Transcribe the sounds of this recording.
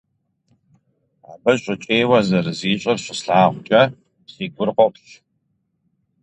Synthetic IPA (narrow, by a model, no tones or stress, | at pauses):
a̰ːbɐɕʷʼɪt͡ʃʼeːjwɐzɐrɨziːɕʼɐrɕʷɪsɬaːʁʷt͡ʃʼɐ | siːɡʷʊrqʷɔpɬ